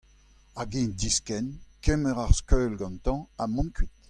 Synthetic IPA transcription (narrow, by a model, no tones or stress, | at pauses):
aɡẽnd̪iskɛnkɛmɛʁaʁskøːlɡɑ̃nt̪ɑ̃amɔ̃nkʰit̪